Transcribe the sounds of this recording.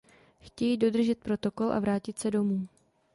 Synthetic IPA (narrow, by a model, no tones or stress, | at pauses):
xcɛjido̞d̪r̩ʒɛt̪̚pɾo̞t̪o̞ko̞lʔa̰vɾaːcɪt̪sɛdo̞muː